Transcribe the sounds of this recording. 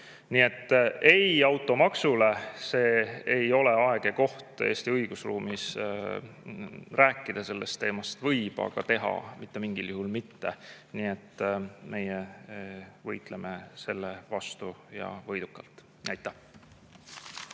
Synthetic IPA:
niːe̞t̪ːe̞jɑwt̪ːˑo̞mɑksule̞se̞ːejo̞le̞ɑeɡ̥eko̞ht̪e̞̰ːst̪iɤjɡ̥usruːmis | ræːkːˑid̪̥ɑse̞lːe̞st̪ːeːmɑst̪vɤjb̥ɑ̰ɡ̥ɑ̰t̪e̞ɦɑ̰mit̪ːe̞miŋɡ̥iljuɦulmit̪ːe̞niːet̪ːme̞je | vɤjt̪ˑlemese̞lːevɑst̪ujɑ̰vɤjd̪̥ukːˑɑlt̪ːˑ | æjt̪ːˑæh

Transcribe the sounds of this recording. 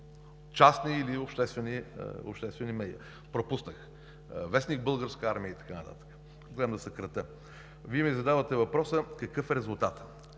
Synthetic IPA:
t͡ʃasniːliopʃt̪ɛst̪vɛnḭʊ̰pʃt̪ɛst̪vɛnimɛjə̰ | pɾopusnəx | vɛsnik̚bɤlˠɡəɾskəaɾmiəit̪ɐ̥kanət̪a̰t̪ə̥kə̥ | ɡlɛmd̪ɐsɛkɾɐt̪ə | viɛmizɐd̪avət̪ɛvɐpɾɔsəkɐkɤfɛɾɛzulˠt̪at̪

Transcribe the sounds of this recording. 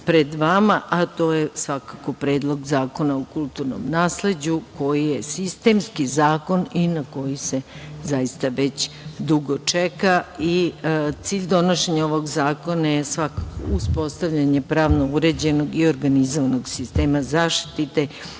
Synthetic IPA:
pɾed̪ʋamaʔat̪o̞ːjesʋakako̞pɾe̞ːd̪lˠo̞ɡzaːko̞naokulˠt̪uɾno̰mnaːsle̞d͡ʑuko̞jijesist̪e̞ːmskizaːko̞ninako̞jise̞zajist̪aʋet͡ɕ | d̪uɡot͡ʂekait̪siːʎd̪o̞noʃeɲao̞ʋo̞ɡzaːko̞najesʋakako̰uspo̞st̪aʋʎaɲe̞pɾaːʋno̞uɾed͡ʑe̞no̞ɡio̞ɾɡanizoʋano̞ɡsist̪eːmazaːʃt̪i̥t̪it̪e̞

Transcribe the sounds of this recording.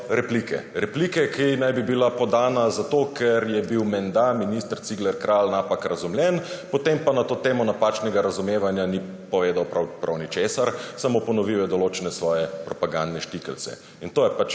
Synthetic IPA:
ɾɛplikɛ̰ɾɛpliːkɛkinajbibilapɔd̪aːnazat̪oːkʰɛɾjɛbiwmɛnd̪aminist̪əɾt̪siɡlɛɾkɾʔalnapakɾɐzumljɛnpɔt̪empanat̪oːt̪eːmɔnapaːt͡ʃnɛɡaɾazumeːʋanjani | pɔʋeːd̪awpɾapɾʔa̰wnit͡ʃeːsaɾsamopɔnɔʋiwɛd̪ɔloːt͡ʃɛnɛsʋɔːjɛpɾɔpaɡand̪nɛʃt̪ikɛlsɛ̰ | int̪oːjɛpat͡ʃ

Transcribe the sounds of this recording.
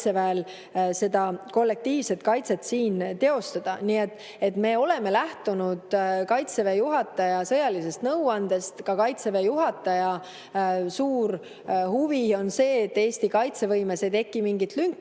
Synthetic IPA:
se̞væel | se̞d̪̥ɑko̞lːe̞k̚t̪iːvse̞t̪kɑjt̪se̞t̪siːnt̪e̞o̞st̪ɑd̪̥ɑniːet̪ːˑ | e̞t̪ːme̞ːo̞le̞me̞læht̪unud̪̥kɑjt̪se̞vejuɦɑt̪ːˑɑjɑsɤjɑlise̞st̪nɤwɑnd̪̥e̞st̪kɑkɑjt̪sevejuɦɑt̪ːˑɑjɑ | suːr | huvio̞nse̞ːet̪ːe̞ːst̪ikɑjt̪se̞vɤjmese̞t̪e̞kːˑimiŋɡit̪lyŋkːˑ

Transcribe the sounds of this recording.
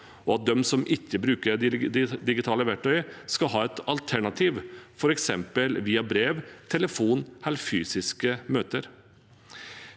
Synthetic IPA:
ɔɑt̪̚d̪ɛmsɔmʔɪçːəbɾʉːkəɾd̪ɪɡɪt̪ʰɑːləʋæʈʰːœʏskɑɦɑːɛt̪ɑlt̪ʰæɳɑt̪ʰiːʋfɔɾɛksɛmpəlʋiːɑbɾeːʋt̪ʰɛləfuːnhɛlfyːsɪskəmøːt̪əɾ

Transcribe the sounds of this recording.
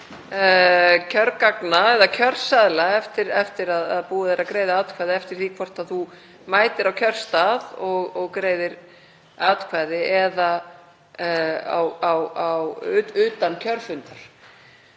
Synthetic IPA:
cʰœɾkaknaɛðacʰœr̥saðlaɛft̪ɪɾɛft̪ɪɾaðaðpuːaðeɾaðkɾeːjðaaːt̪kʰvaːðɪɛft̪ɪɾ̥θikʰvɔr̥t̪aðθu | maːjt̪ɪɾawkʰœr̥st̪aðɔɣɔɣkɾeːjðɪɾ | aːt̪kʰvaːðɪɛða | a̰wawawʏːt̪ancʰœɾfʏnt̪aɾ̥

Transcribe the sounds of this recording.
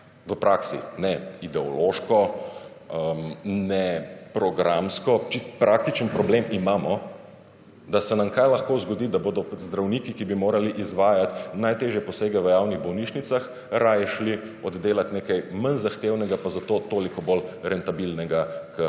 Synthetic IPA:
ʋəpɾʔaːksḭnɛid̪ɛɔloʃkɔ | əmnɛpɾɔɡɾamskɔt͡ʃist̪pɾʔak̚t̪it͡ʃənpɾɔbleːmimaːmɔ | d̪asɛnamkajlɐxkoːzɡɔd̪id̪aboːd̪ɔzd̪ɾawniːkikibimoːɾaliʔizʋaːjat̪najt̪eːʒjɛpɔseːɡɛʋəjawniɣbɔwniːʃnit̪sax | ɾajʃli | ɔd̪d̪eːlat̪neːkajmanzaxt̪eːwnɛɡapazat̪oːt̪oːlikɔbolɾɛnt̪abilnɛɡakə

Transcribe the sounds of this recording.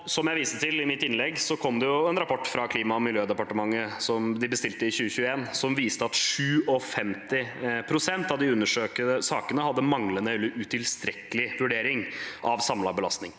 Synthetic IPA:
sɔmjæɪʋiːsət̪ʰɪlɪmɪt̪ːɪnlɛɡːsɔkʰɔmd̪ɛjʊɛnɾɑpʰɔʈːfɾɑkʰliːmɑmɪljøːd̪ɛpɑʈəmɑŋːəsɔmd̪ɪbəst̪ɪlt̪əɪçʉːəçʉːəeːnsɔmʋiːst̪əɑt̪ʂʉːɔfɛmt̪ɪpʰɾʊsɛnt̪ɑʋd̪ɪʉnːəʂøːkəd̪əsɑːkənəhɑd̪ːəmɑŋlənəɛlːəʔʉt̪ʰɪlst̪ɾɛkːəlɪʋʉɖeːɾɪŋʔɑʋsɑmlɑbəlɑ̰st̪nɪŋ

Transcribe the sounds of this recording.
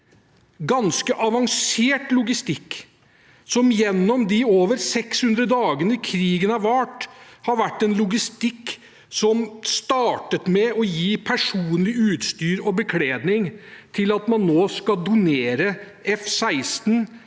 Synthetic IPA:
ɡɑnskəʔɑʋɑŋseːʈlʊɡɪst̪ɪkː | sɔmjɛnːɔmd̪ɪoːʋəɾsɛkshʉnd̪ɾəd̪ɑːɡənəkʰɾiːɡənəɑʋæʈhɑɾʋæʈːɛnlʊɡɪst̪ɪkː | sɔmst̪ɑːʈət̪mɛɔjiːpʰæʂuːnlɪʉːt̪st̪yːɾɔbəkʰleːd̪nɪŋt̪ʰɪlɑt̪mɑnːoːskɑld̪ʊneːɾə | ɛfsæɪst̪n

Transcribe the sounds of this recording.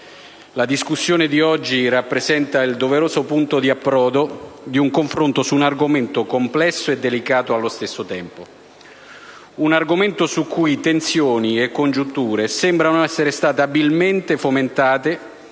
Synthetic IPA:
lad̪iskusːjoːned̪iɔd͡ʒːirapːɾezɛnt̪aild̪oveɾoːzopunt̪od̪iapːɾɔːd̪od̪iuŋkoɱfɾont̪osuːnarɡoment̪okomplɛsːoed̪ːelikaːt̪oalːost̪esːot̪ɛmpo | unarɡoment̪osukːujt̪ensjoːniekːond͡ʒunt̪uːɾesɛmbɾanoɛsːeɾest̪aːt̪eabilment̪efoment̪aːt̪e

